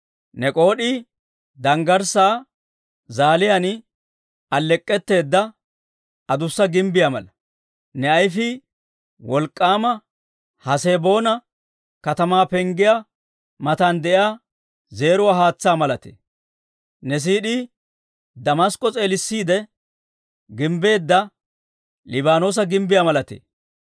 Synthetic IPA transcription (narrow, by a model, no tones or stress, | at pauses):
nɛkʼo̞ːɗiː | d̪ɐŋɡɐɾsaː | zaːlɪjan | ɐlːɛkʼːɛt̪ːe̞ːd̪ːɐ | ɐd̪ʊsːɐɡɪmbɪjamɐ̰lɐ | nɛɐjfɪ | wɔlkʼːaːmɐ | hɐseːbo̞ːnɐ | kɐt̪ɐmaːpɛŋɡɪjaː | mɐt̪and̪ɛjaː | ze̞ːɾʊwaːɦaːt͡sːaːmɐlɐt̪ḛː | nɛs̬iːɗi | d̪ɐmɐskʼːɔt͡sʼe̞ːlɪsːiːd̪ɛ | ɡɪmbe̞ːd̪ːɐ | lɪbaːno̞ːs̬ɐɡɪmbɪjamɐlɐt̪ḛː